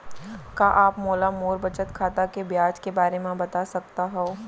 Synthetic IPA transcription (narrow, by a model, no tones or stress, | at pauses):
kaːʔaːpmoːlamoːɾbɐt͡ʃət̪kʰaːt̪akebjaːd͡ʒkebaːɾemẽbɐt̪asɐk̚t̪aɦɛoː